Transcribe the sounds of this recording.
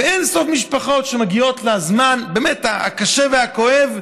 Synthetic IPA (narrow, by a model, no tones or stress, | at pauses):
eenso̞fmiʃpaχo̞tʃemaɡio̞tlazmanbeːmetaa̰kaʃevehako̞ev